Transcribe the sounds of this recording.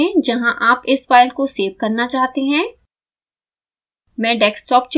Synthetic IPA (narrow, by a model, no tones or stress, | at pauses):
ɛ̃d͡ʒɐɦãʔaːpɪsfaːɪlkoseːʋkɐɾnat͡ʃaːɦt̪eɦɛ̃ː | mɛ̃ːɖɛːksʈɔːp̚t͡ʃ